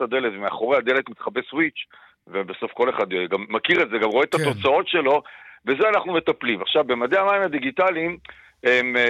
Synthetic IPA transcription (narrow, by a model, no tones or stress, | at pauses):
tad̪e̞letvemea̰χo̞ʁead̪e̞letmit̪χabeswit͡ʃ | vebeso̞fko̞le̞χad̪eɡamːakiʁetzeɡamʁoet̪at̪o̞t͡sao̞tʃe̞lo̞ve̞zeanaχnume̞t̪aplimaχʃavbe̞mad̪e̞amaimhad̪iɡit̪alim | em